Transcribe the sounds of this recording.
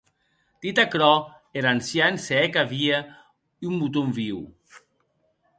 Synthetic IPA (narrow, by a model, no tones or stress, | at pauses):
t̪it̪akɾɔ | eɾansjanseɛkaβia | umbut̪omviw